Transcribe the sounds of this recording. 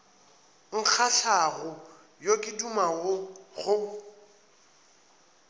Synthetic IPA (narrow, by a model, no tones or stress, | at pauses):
ŋ̩k͡xʰaɬaɣʊ | jokʼɪdumaɣʊɣʊ